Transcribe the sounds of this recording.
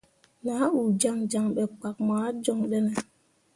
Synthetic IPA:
na˨˦u˨d͡ʒa˦ŋd͡ʒa˦˨ŋɓɛ˨k͡pa˨k̚maː˨˦d͡ʒɔ˦˨ŋɗɛ˦nɛ˨

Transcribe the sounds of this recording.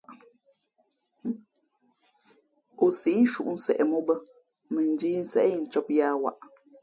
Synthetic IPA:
o˨si˨˦n̩˦ʃṵ˦ʔn̩˦sɛ̰˨ʔɛ˨mɔ˦bə˦ | mə˨n̩˨diː˦n̩˦sɛ̰˦ʔi˨n̩˨t͡ʃɔ˦p̚jaː˦wa̰˦˨ʔ

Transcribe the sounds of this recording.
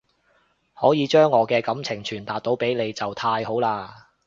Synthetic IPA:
hɔː˨˥jiː˨˧t͡ʃœː˥ŋːɔː˨˧kɛː˧kɐ˨˥mt͡sʰɪ˨˩ŋt͡ʃʰyː˨˩nt̪aː˨t̚t̪o˨˥wpe˨˥jle˨˧jt͡sɐ˨wt̪ʰaː˧jho˨˥wlaː˧

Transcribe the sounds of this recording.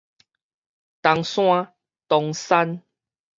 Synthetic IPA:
t̪a˨˧ŋsw̃ã˦ | t̪ɔ˧ŋsa˦n

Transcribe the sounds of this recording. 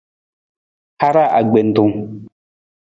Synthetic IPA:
ha˦ɾa˦˨ʔa̰˨ɡ͡be˨n̩˨du˨ŋ

